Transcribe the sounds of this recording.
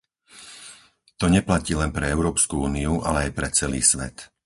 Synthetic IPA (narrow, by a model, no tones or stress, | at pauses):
t̪ɔɲɛplaciːlɛnpɾɛɛʊɾɔːpskuuːniuʔa̰lɛajpɾɛt͡sɛlḭːsʋɛ̰t̪